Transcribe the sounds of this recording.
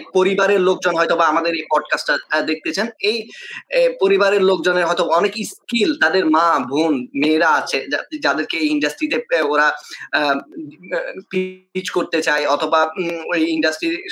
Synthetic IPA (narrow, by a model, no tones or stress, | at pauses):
poɾibaɾeɾlok̚d͡ʑonɦɔjt̪obaamad̪eɾejpɔɖkasʈad̪ek̚t̪et͡ɕʰenej | poɾibaɾeɾlok̚d͡ʑoneɾɦɔet̪oaɔnekiskilt̪ad̪eɾmabʱunmeɾaat͡ɕʰead͡ʑad̪eɾkeejiɳɖasʈɾit̪eoɾa | piit͡ɕkoɾt̪et͡ɕaeɔt̪ʰobaojiɳɖasʈɾiɾ